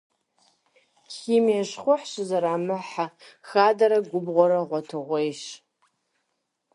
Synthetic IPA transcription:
kʰimaʂχʷʊħʃʷazaɾaːmɨħaxadaɾaɡʷʊbʁʷaɾaʁʷatʰɨʁʷejʃ

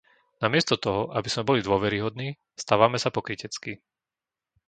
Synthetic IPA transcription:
namɪɛst̪ɔt̪ɔɦɔʔabiz̥mɛbɔlid̪ʊɔʋɛɾiɦɔd̪niː | st̪aːʋamɛsapɔkɾicɛt͡ski

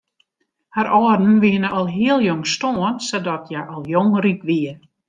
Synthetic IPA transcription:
haɾʔɔːrdn̩ʋiənəʔɔlˠɦiəlˠjɔŋstoənsɔdɔtʰjaʔɔlˠjoŋrikʋiən

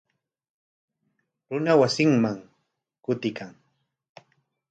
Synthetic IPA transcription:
ɾʊnawasɪŋmaŋ | kʊt̪ɪkʰaŋ

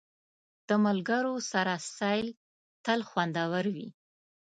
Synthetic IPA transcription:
d̪̥əmalɡəɾosaɾasɑjl | t̪əlxwand̪awəɾwḭ

